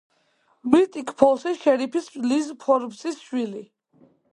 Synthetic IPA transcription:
mɾit̪ʼikʰpʰɔsiʃɛɾipʰislizpʰɔɾbsisʃwili

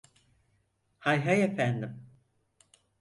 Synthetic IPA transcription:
hajɦajefænd̪im

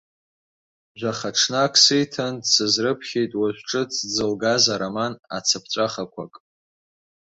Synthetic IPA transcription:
ʒʷaχaʈ͡ʂʰnakʰsɨjtʰandsɨzrɨpʰχʲejtʼwaʒʷʈ͡ʂʼɨt͡sʰd͡zɨlɡazaɾamana̰t͡sʰapʰt͡ʃʷʼaχakʷʰa̰kʼ

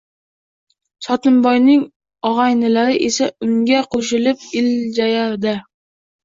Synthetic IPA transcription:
sɒt̪ʰɪnbɒjnɪŋ | ɒʁɑjnɪlaɾɪʔesaʊŋɡʲaqʰoʃ̬ɪlɪp̚ɪld͡ʒajaɾd̪ɪ

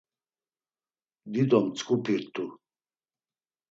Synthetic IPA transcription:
d̪id̪ɔmt͡sʼkʼupʰiɾt̪ʰʼu

